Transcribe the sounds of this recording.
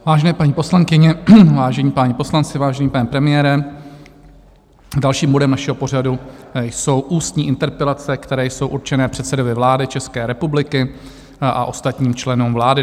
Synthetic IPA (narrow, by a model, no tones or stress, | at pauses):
vaːʒɛnɛːpaɲiːpo̞slaŋkɪɲɛvaːʒɛɲiːpaːɲɪpo̞slant͡sɪvaːʒɛɲiːpanɛpɾɛmɪjɛːɾɛ | dalʃiːmbo̞dɛmnaʃɛɦo̞por̝adujso̞wʔuːst̪ɲiːʔɪnt̪ɛɾpɛlat͡sɛkt̪ɛɾɛːjso̞wʔuɾt͡ʃɛnɛːpr̝̥ɛt̪sɛdo̞vɪvlaːdɪt͡ʃɛskɛːɾɛpublɪkɪ | ʔa̰ʔo̞st̪at̪ɲiːmt͡ʃlɛnuːmvlaːdɪ